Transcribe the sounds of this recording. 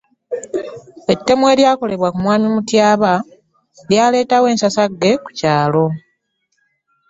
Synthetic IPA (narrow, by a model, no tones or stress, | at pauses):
e̞tːe̞mwe̞ːljaːko̞le̞βwakumwaːmimutjaːβa | ljaːle̞ːtawe̞ːnsasaɡːe̞ku̥caːlo̞